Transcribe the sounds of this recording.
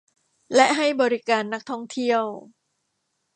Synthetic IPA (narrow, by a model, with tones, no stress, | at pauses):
lɛ˦˥ʔɦa˥˩jbɔː˧ɾi˦˥kaː˧nːa˦˥k̚t̪ʰɔ˥˩ŋt̪ʰi˥˩əw